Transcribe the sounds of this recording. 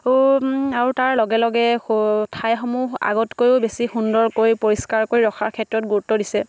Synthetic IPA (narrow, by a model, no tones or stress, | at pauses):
aɹutaɹlɔɡɛlɔɡɛtʰajxɔmuɦa̰ɡɔtkojʊbesixundɔɹkoɹjpoɹiskaɹkoɹiɹɔxʰaɹkʰɛtɹɔtɡuɹutːɔdisɛ